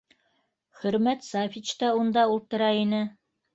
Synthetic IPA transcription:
χɵ̆ɾmæt̪sɑfit͡ɕt̪ɑund̪ɑulˠt̪ɤ̆ɾɑinɘ

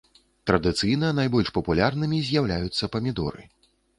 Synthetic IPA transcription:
t̪ɾɐd̪ɨt̪sɨjnɐnajbɔlʲʂpɐpulʲarnɨmʲizʲjawlʲajut̪sːɐpɐmʲid̪ɔ̰ɾɨ̰

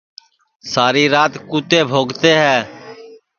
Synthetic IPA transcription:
saːɾiːɾaːt̪kuːt̪eːbʱoːɡt̪eːɦɛː

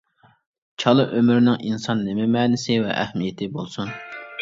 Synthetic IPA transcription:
t͡ʃʰɑlˠɨʔømyɾnɪŋʔinsɑnːɪmɛmɛːnɪsɪvɛ̰ʔæ̰hmijet̪ʰɪbolˠsun

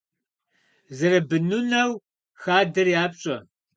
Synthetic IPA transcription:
zɐɾɐbɨnunɐw | xaːdɨrjaːpɕʼɐ

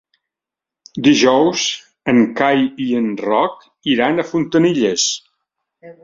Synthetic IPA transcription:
d̪iʒɔwz | əŋkajiənrɔk | iɾanəfunt̪əniʎəs

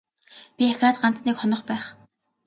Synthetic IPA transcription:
pʲiaxʲaːt̪̚ɢan̥t͡sniːkχɔnɞ̆χpæːχ

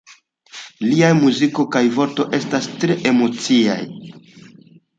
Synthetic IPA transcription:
liajmuziko̞kajvo̞ɾto̞ʔe̞stastɾe̞ʔe̞mo̞t͡sia̰j

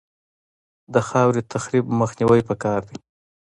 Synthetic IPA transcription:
d̪əxɑwɾit̪ʰaxɾibməxniwəjpəkɑɾd̪i

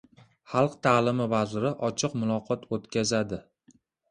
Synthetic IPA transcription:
χɑlˠqt̪ʰaːlˠɪmɪvazɾɪʔɒt͡ʃʰɪqmʊlˠɒqʰɒt̪ʰot̪kʲazad̪ɪ

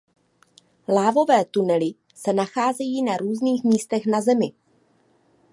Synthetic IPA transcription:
laːvo̞vɛːt̪unɛlɪ | sɛnaxaːzɛjiːnaɾuːzniːxmiːst̪ɛxnazɛmɪ

